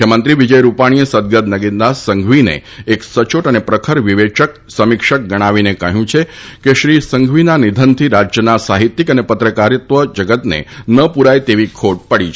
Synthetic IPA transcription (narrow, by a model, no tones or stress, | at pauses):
kjəmənt̪ɾiʋid͡ʒəjɾupaɽ̃ijəsəd̪̚ɡəd̪nəɡind̪asəŋɡʱʋinḛ | eksət͡ʃoʈənepɾəkʰəɾʋiʋet͡ʃək | səmɪkʃək̚ɡəɽ̃aʋinekəɦjũt͡ʃʰe | keʃɾisəŋɡʱʋinanid̪ʱənt̪ʰiɾad͡ʒjənasaɦit̪ːikənepət̪ɾəkaɾɪt̪ʋəd͡ʒəɡət̪nḛnəpuɾajt̪eʋikʰoʈ̚pəɽit͡ʃʰ